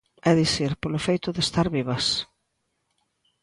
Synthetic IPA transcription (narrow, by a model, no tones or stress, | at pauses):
ɛðiθiɾpolʊfejt̪ʊðest̪aɾβiβɐs